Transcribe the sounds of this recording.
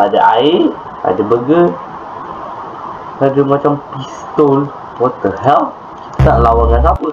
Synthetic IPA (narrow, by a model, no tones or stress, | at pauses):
adaʔaɪ | a̰dabəɡə | kadəmat͡ʃampist̪ɔl | wɔt̪əɦɛl | naʔlawanjansapə